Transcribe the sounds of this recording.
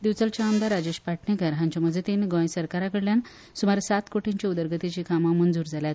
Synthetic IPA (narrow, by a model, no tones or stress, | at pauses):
d̪iʋt͡səlt͡ɕaːmd̪aɾad͡ʑeɕpaʈʰnekəɾɦãɲt͡ɕam̤əd͡zət̪enɡɔ̃jsəɾkaɾakəɽljan | sumaɾsat̪koʈiɲt͡ɕaud̪əɾɡət̪it͡ɕikamamənd͡zuːɾd͡zʱaljat̪